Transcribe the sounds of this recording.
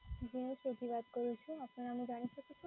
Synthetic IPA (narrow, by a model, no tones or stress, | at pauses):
d͡ʒiniʃod̪ʱibad̪koɾut͡ʃʰuapnaɾamid͡ʑanit̪ʰakeku